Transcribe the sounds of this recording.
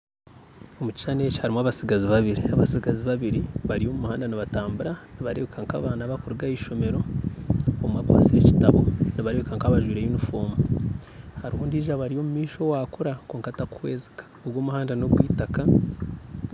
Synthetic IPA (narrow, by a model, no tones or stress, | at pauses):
omuci̥ʃane̞cihaɾimaβasiɡaziβaβiɾiaβasiɡaziβaβiɾiβaɾijo̞mumuhaːndaniβataːmbuɾaniβaɾeβekaŋkaːβaːnaβakuɾɡaiʃo̞me̞ɾo̞ | omumakwa̰ːt͡siɾeci̥taβo̞niβaɾeβekaŋkaβaʒwiːɾejunifo̞ːmu | haɾihuːndiʒaβaɾio̞mumiːʃo̞wakuɾakoːŋkatakuwe̞ːzi̥kḁoɡwomuhaːndano̞ɡwiːtaka